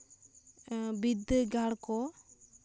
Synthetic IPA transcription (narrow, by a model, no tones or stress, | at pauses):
bid̪ɡaɽkɔ